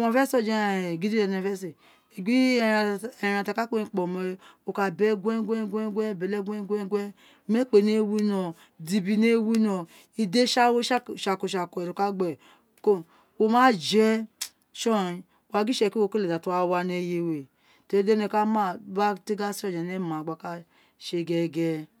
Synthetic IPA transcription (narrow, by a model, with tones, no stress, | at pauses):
mã˨fɛ˦sɔ˦˨d͡ʒe˦˨ɡi˦di˦ɛ˨ne˨fɛ˦s̬e˨ | e˨ɡi˦˨ɛ˨ɾa˨ta˨ka˦ke˦ĩ˨k͡pɔ˨mɛ˨˦o˨ka˨bɛ˦ɡʷɛ˦ɡʷɛ˦ɡʷɛ˦ɡʷɛ˦˨bɛ˨lɛ˦ɡʷɛ˦ɡʷɛ˦ɡʷɛ˦ | me˦k͡pe˨ne˦wi˦nɔ˨ | di˨bi˨ne˦wi˦nɔ˨ | i˨de˦ʃa˦wo˦˨ʃa˨ko˨ʃa˨ko˨ɛ˨lo˨ka˦ɡ͡bɛ˨ | ko˦ | wo˦ma˦d͡ʒɛ˦ | ʃɔ˦˨i˨ | wa˨ɡi˦ʃɛ˨ki˦wo˨ke˦le˨da˨tu˦a˨˦wa˧ne˦je˦we˨ | te˨˦de˦ne˨ka˦ma˦˨ba˦te˦ɡa˦sɔ˦˨d͡ʒa˨ne˦ma˨ɡ͡ba˨ka˦ | ʃe˦ɡɛ˦˨ɡɛ˦